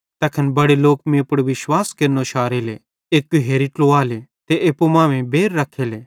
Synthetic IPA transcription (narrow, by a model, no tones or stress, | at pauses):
t̪ɐkʰɐnbɐɽeloːkmẽpɽʋɪʃwaːskeɾnoʃʰaːɾele | eːkːuɦeːɾiʈloaːlet̪eʔepomãːʋẽbeːɾːɐkʰːeleː